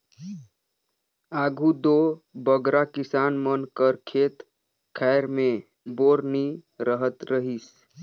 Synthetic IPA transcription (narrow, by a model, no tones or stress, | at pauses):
aɡʱud̪obəɡɾakisanmənkəɾkʰet̪ | kʰɛɪɾme | boɾniɾəɦət̪ɾəɦis